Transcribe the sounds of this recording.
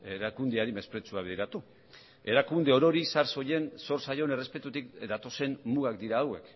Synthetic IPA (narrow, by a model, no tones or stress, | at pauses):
eɾakund̪eaɾime̞spɾe̞t͡suaβeðeɾat̪u | e̞ɾakund̪e̞o̞ɾo̞ɾisaɾso̞je̞nso̞ɾsajo̞ne̞re̞spe̞t̪ut̪ikd̪at̪o̞se̞nmuɣakd̪iɾaːwe̞k